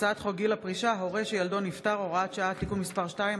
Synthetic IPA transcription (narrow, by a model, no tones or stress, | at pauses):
t͡saat̪χoɡilapʁiʃaɦoʁeʃejald̪o̞nift̪aʁo̞ʁaatʃaat̪ikunmispaʁʃtaim